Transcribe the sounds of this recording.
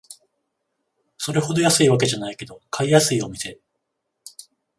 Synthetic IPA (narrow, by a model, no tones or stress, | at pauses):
so̞ɾe̞ho̞d̪o̞jasɨiβak̬e̞ʑanaike̞d̪o̞kʰaijasɨio̞mʲise̞